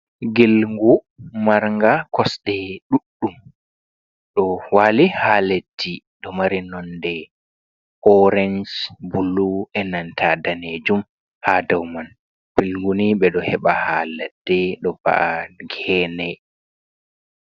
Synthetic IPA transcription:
ɡilŋɡu | maɾŋɡakɔsɗɛɗuɗːum | ɗɔwalihaledːi | ɗɔmaɾinɔndɛ | ʔɔɾɛnd͡ʒbulːuɛnantʰadaned͡ʒum | hadawman | b̥ilŋɡuniɓɛɗɔhɛɓahalad̥ːɛɗɔba̰ʔaɡɛːnɛ

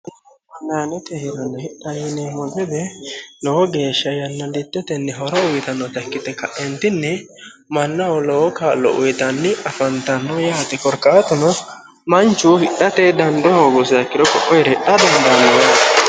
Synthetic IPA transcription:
ɐnːaːnɛt̪ɛhɪɾɐnːɔhɪɗːɐjɪnɛmɔɡɛd̪ɛlɔwɔɡeːʃːɐjɐnːɔdɪt̪ːɛt̪ɛnːɛɦɔɾɔʊjt̪ɐnːɔt̪ɐkːɪt̪ɛkɐʔɛnt̪ɪnːɛ | mɐnːɐwɔlɔwɔkaːlːɔ̰ʔʊjt̪ɐnːɪɐfɐnt̪ɐnːɔjaːt̪ɪkɔɾkːaːt̪ʊnɔ | mɐnt͡ʃːʊwɔhɪɗɐt̪ɛd̪ɐnd̪ɔhoːɡʊsɐkːɪɾɔkɔʔɔjɾɛɗːɐd̪ɐnd̪ɐnwɐ

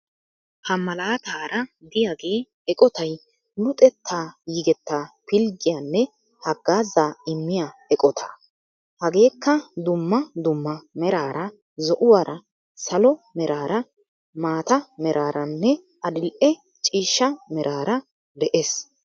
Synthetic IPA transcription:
hɐmːɐlaːt̪aːɾɐd̪ɪjaɡe̞ː | ɛkʼɔt̪ɐj | lʊt̪ʼɛt̪ʰːaːjɪɡɛt̪ːaːpɪlɡɪjaːnːɛ | hɐɡːaːzːaːɪmːɪjaɛkʼɔt̪ʰa̰ː | hɐɡe̞ːkːɐd̪ʊmːɐd̪ʊmːɐmɛɾaːɾɐ | zɔʔʊwaːɾɐ | sɐlɔmɛɾaːɾɐ | maːt̪ɐmɛɾʔaːɾɐnːɛ | ɐd̪ɪlʔɛ | t͡ʃʼiːʃːɐmɛɾʔaːɾɐ | d̪ɛʔes

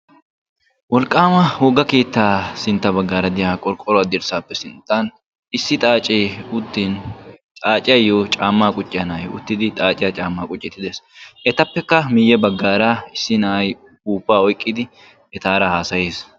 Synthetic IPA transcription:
wɔlkʼːaːmɐhoːɡɐke̞ːt̪ːaːsɪnt̪ːɐbɐɡːaːɾɐd̪ɪjaːkʼɔɾkʼːɔɾɔɐːd̪ɪɾsaːpːɛsɪnt̪ːan | ɪsːɪt̪ʼaːt͡ʃʼeːʊd̪ːint͡ʃʼaːt͡ʃʼɪjɐjːoːt͡ʃʼaːmːaːkʼʊt͡ʃʼːɪjɐnɐjʊ̰t̪ːɪd̪ɪt̪ʼaːt͡ʃʼɪjɐt͡ʃʼaːmːaːkʼʊt͡ʃʼːɪt̪ːɪd̪ɛsʔɛt̪ɐpːɛkːɐmɪjːɛbɐɡːaːɾaːɪsːɪnɐʔɐj | uːpːaːɔjkʼːɪd̪ɪ | ɛt̪aːɾɐhaːsɐjeːs

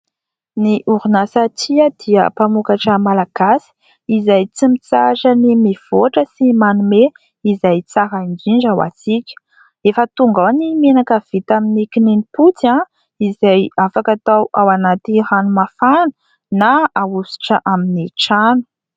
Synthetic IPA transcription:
niʔuɾunasat͡siəd̪̥iə̰pamukaʈ͡ʂəmalaɡ̥asi̥ | izajt͡simit͡saʈ͡ʂənimiv̥oʈ͡ʂəsimanume | izajt͡saɾaind͡ʒiɳd͡ʒawa̰sikʲə̥ | efət̪uŋɡawanimenakav̥it̪aminikininiput͡sã | izajafakat̪awawanat̪iranumafanu̥ | naausi̥ʈ͡ʂəʔaminiʈ͡ʂanu̥

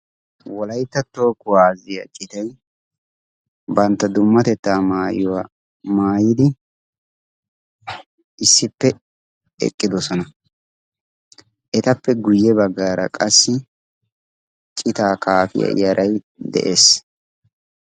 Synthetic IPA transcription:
wɔlɐjt̪ːɐt̪ːo̞ːkːʊwaːzɪjɐ̰t͡ʃʼɪt̪ɐj | bɐnt̪ːɐd̪ʊmːɐt̪ɛt̪ːaːmaːjɔwa | maːjɪd̪ɪ | ʔɪsːɪpːɛ | ɛ̰kʼːɪd̪ɔsɔnɐ | ʔɛt̪ɐpːɛɡʊjːɛbɐɡːaːɾɐ̰kʼɐsːɪ | t͡ʃʼɪt̪aːkaːfɪ̰jɐ̰jɐɾʔɐj | d̪ɛ̰ʔeːs

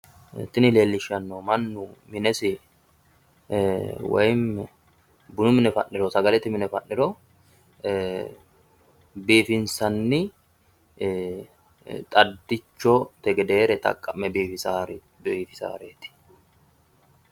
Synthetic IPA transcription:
t̪ɪnɪleːlːɪʃɐnːoːmɐnːʊmɪnɛsɪ | wɐ̰jmɛ | bʊnʊmɪnɛfɐ̰nːɪɾɔsɐɡɐlɛt̪ːɪmɪnɛfɐ̰nːɪɾɔ | beːfɪnsɐnːɪ | t̪ʼɐd̪ːɪt͡ʃːɔt̪ɛɡɛd̪eːɾɛt̪ʼɐ̰kʼːɐmːɛbeːɪsaːɾ | beːfɪsa̰ːɾeːt̪ɪ̥

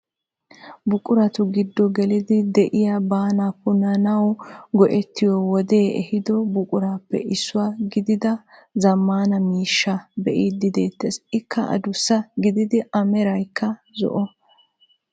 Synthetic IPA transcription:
bʊkʼʊɾɐt̪ʊɡɪd̪ːɔɡɛlɪd̪ɪd̪ɛʔɪjabaːnapʊnːɐnɐwɡɔʔɛt̪ːɪjɔwɔd̪e̞ːɛ̰hɪd̪ɔbʊkʼʊɾaːpːɛ̰ʔɪsːʊwaːɡɪd̪ɪd̪ɐzɐmːaːnɐmiːʃːɐbɛʔid̪ɪd̪e̞ːt̪ːesɪkːɐʔɐ̰d̪ʊsːɐɡɪd̪ɪd̪ɪʔɐmɛɾɐjkʰːɐzɔ̰ʔɔ

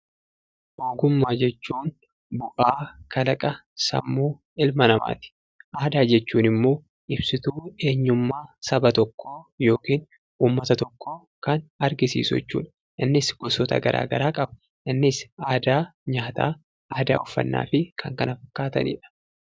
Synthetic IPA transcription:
ʔoːɡʊmːaːd͡ʒɛt͡ʃːuːn | bʊʔaːkʰɐlɐkʼɐsɐ̰mːuː | ɪlmɐnɐma̰ːt̪ɪ̥ | ʔaːd̪aːd͡ʒɛt͡ʃːuːnɪmːo̞ː | ʔɪbsɪt̪uːe̞ːɲːʊmːaːsɐbɐt̪ɔkːo̞ːjo̞ːkiːn | ʔuːmːɐt̪ɐt̪ɔkːo̞ː | kɐnɐɾɡɪsḭːsʊɛ̰t͡ʃːṵːᶑɐ | ʔɪnːɪsɡ̥ɔsɔt̪ɐ̰ɡɐ̰ɾʔa̰ːɡɐɾaːkʼɐbɐ̥ | ʔɪnːɪsʔaːd̪aːɲaːt̪a̰ː | aːd̪a̰ːɔfːɐ̰nːa̰ːfɪkʰɐŋkɐnɐfɐ̥kːaːt̪ɐ̰nḭːᶑɐ̥

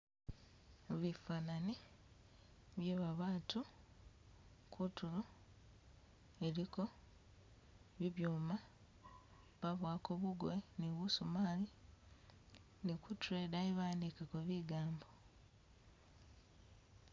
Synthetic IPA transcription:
βifaːnani | βjeβaβaːtu | kʰutulo | e̞ɾiko̞ | βiβjuːma | βaβwaːkoβuɡweniβusumaːli | nikutuɾeːdaeβaːndikakoβiɡaːmbo̞

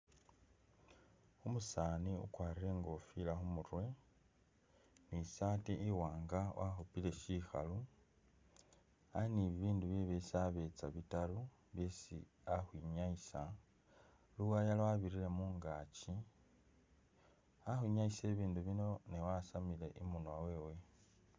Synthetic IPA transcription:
umusaːniṵkwaːɾiɾe̞ŋɡo̞filaxumuɾwe̞ | nisaːteʔiwaːŋɡawʔaxupile̞ʃiːxa̰lu | ainiβiβiːnduβjeβesiaβe̞t͡saβitalu | βje̞sḭ | axwiɲaisa | luwajalaaβiɾile̞muːŋɡaːci | axwiɲaise̞ːβiːnduβino̞newasamile̞ʔimunwawe̞ːwe̞

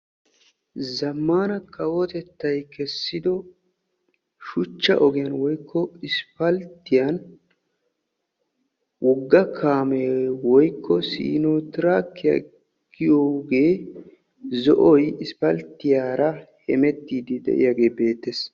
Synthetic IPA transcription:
zɐmːaːnɐkʰɐwɔt̪ɛt̪ːɐjkɛsːɪd̪ɔ | ʃʊt͡ʃːɐ̰ʔɔɡɪjɐnwɔjkʰːɔɪspɐlt̪ːɪjɐn | wʔɔɡːɐkʰaːmewɔjkʰːɔsḭːnoːt̪ɪɾakːɪjɐ̰ | ɡɪjoːɡe̞ː | zɔʔɔjɪspɐlt̪ːɪjaːɾɐhɛmɛt̪ːiːd̪ɪd̪ɛ̰ʔɪ̰jaɡe̞ːbe̞ːt̪ːeːs

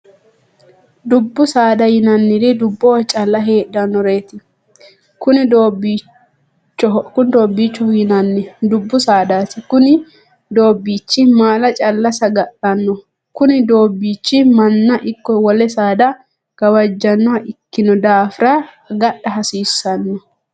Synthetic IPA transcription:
d̪ʊbːʊsaːd̪ɐjɪnɐnːɪd̪ɪd̪ʊbːowt͡ʃʼɐlːɐɦeːᶑɐnːɔɾe̞ːt̪ɪ | kʊnɪd̪oːbːi | t͡ʃːɔkʊnd̪oːbːiːt͡ʃːɔjɪnɐnːɪd̪ʊbːʊsaːd̪aːt̪ɪkʊnɪ | d̪o̞ːbːiːt͡ʃːɪmaːlɐt͡ʃʼɐlːɐsɐɡɐɗɐnːɔ | kʊnɪd̪o̞ːbːiːt͡ʃːɪmɐnːɐʔɪkːɔwɔlɛsaːd̪ɐ | ɡ̥ɐwɐd͡ʒːɐnːɔhɐʔɪkːɪnɔd̪aːfɪɾɐ | ɡɐɗɐɦɐsiːsːɐnːɔ

